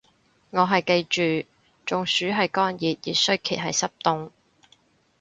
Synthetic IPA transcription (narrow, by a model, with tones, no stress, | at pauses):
ŋɔː˨˧ɦɐ˨jke˧jt͡ʃyː˨ | t͡ʃʊ˨ŋsyː˨˥ɦɐ˨jkɔː˥njiː˨t̚jḭː˨˩sɵ˥ɥkʰḭː˨˩t̚ɦɐ˨jsɐ˥p̚t̪ʊ˥ŋ